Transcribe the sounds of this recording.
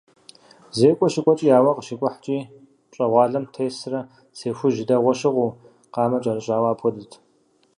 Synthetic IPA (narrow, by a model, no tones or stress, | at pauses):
zeːkʷʼɔʃɪkʷʼɔt͡ʃʼijaːwɐqəʃɪkʷʼʊħt͡ʃʼiː | t͡ʃʼɐʁʷɑːɮɐmtʰeːsrɐ | seːxʷʊʒɪdɐʁʷɔʃɨʁuː | qɑːmɐt͡ʃʼɐrɨɕʼaːwaːpʰɔdɨtʰ